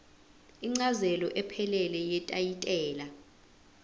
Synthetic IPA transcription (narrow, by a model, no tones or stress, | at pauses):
iŋ͡ǀazɛlɔʔɛpʰɛlɛlɛjɛtʼajitʼɛːla